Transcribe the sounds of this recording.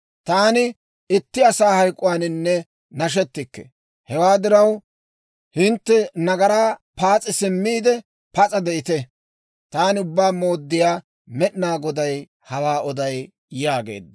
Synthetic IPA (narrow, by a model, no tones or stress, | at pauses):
t̪aːnɪ | ɪt̪ːɪɐsaːhɐjkʼːʊwaːnɪnːɛ | nɐʃ̬ɛt̪ːɪkːɛ̰ | hɛwaːd̪ɪɾɐw | hɪnt̪ːɛnɐɡɐɾaːpaːt͡sʼːɪsɪmːiːd̪ɛ | pɐt͡sʼɐd̪ɛʔɪt̪ɛ | t̪aːnɪʊbːaːmo̞ːd̪ːɪjaː | mɛɗɪnaːɡɔd̪ɐj | hɐwaːʔɔd̪ɐj | jaːɡe̞̰ːd̪̚ː